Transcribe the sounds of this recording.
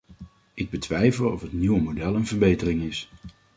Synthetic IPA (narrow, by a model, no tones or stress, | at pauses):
ʔɪɡ̚bətʋɛjvəlˠɔfɦətniwəmodɛlˠənvəɹbejtərɪŋɪs